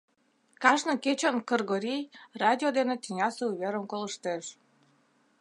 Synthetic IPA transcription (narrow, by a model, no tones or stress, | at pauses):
kɑʒnɤket͡ɕənkərɣoɾʲijrɑd̪ʲiod̪enet̪inʲɑseuβʲeɾəmkoləʃt̪eʃ